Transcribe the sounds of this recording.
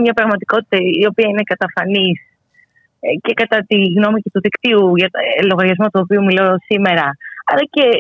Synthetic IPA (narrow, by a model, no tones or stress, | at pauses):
mɲɐpɾɐɣmɐt̪iko̞t̪i̥t̪ɐio̞piɐine̞kɐt̪ɐfɐnis | ce̞kɐt̪ɐt̪iɣno̞mice̞t̪uðikt̪iuʝɐlo̞ɣɐɾʝɐzmo̞t̪uo̞piumilo̞sime̞ɾɐɐlɐce̞